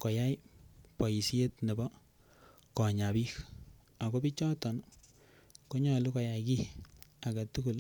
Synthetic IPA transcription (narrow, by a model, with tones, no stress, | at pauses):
ko˨ja˦jpɔ˨ji˨si˦e˦tne˨bɔ˦ | kɔ˨ɲa˨bi˦k | a˨ɡo˦bi˦t͡ʃɔ˦tɔ˨n | ko˦ɲɔ˨lu˦kɔ˨ja˨ki˦a˨ka˨tu˦ku˨l